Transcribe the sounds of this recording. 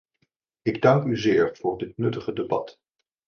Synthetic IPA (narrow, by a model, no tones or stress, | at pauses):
ɪɡdɑŋkyzɪːɹv̥ʊːɹdɪt̚nɵtəχədebɑ̰t